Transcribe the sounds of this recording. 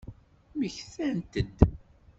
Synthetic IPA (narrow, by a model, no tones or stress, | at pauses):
məçθænt̪əd̪